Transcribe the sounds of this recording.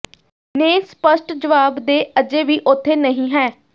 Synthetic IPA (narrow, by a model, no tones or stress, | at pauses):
neːspəʃʈd͡ʒəʋaːbd̪eːʔəd͡ʒeːʋiːʔʊt̪ʰːeːnəɦĩːɦɛː